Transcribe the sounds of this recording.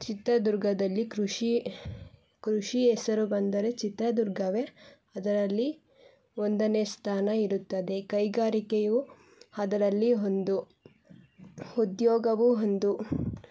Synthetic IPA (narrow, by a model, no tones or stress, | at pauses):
t͡ʃit̪ɾɐd̪uɾɡɐd̪ɐlːikɾuʂi | kɾuʂiɛsɐɾubɐnd̪ɐɾe̞t͡ʃit̪ɾɐd̪uɾɡʱɐʋe | ɐd̪ɐɾɐlːi | ond̪ɐneːst̪ʰaːnɐiɾut̪ːɐd̪e̞kɐjɡaːɾikeju | ɐd̪ɐɾɐlːiɦo̞nd̪u | ud̪jɔːɡɐʋuɦond̪u